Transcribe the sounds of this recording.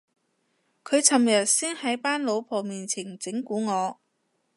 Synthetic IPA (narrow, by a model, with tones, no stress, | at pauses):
kʰɵ˨˧ɥt͡sʰɐ˨mjɐ˨t̚siː˥nhɐ˨˥jpaː˥nlo˨˧wpʰɔː˨miː˨˩nt͡sʰɪ˨˩ŋt͡sɪ˨˥ŋkuː˨˥ŋɔː˨˧